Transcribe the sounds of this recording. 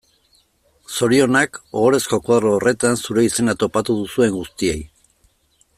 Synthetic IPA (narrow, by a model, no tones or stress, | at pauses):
so̞ɾio̞nakoɣoɾe̞sko̞kwaðɾoːre̞t̪ansuɾe̞ise̞nat̪o̞pat̪uð̞usue̞ŋɡust̪ie̞j